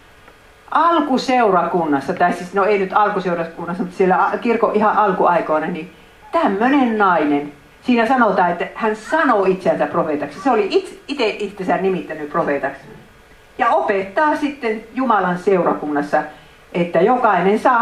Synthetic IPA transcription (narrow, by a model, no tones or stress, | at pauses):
ʔɑlkuseurɑkunːɑsːɑt̪ɑisisnoeinyt̪ɑlkuseurɑkunːɑsːɑmut̪sielːæɑkirkoʔihɑʔʔɑlkuɑikoːnɑni | t̪æmːønennɑinen | siːnæsɑnot̪ɑːet̪ːæhænsɑnoit̪sænt̪æprofeˑt̪ɑksɑseoliʔit̪it̪eʔʔit̪ːesænnimit̪ːænyprofeˑt̪ɑks | jɑopet̪ːɑːsit̪ːenjumɑlɑnseurɑkunːɑsːɑ | ʔet̪ːæjokɑinensɑː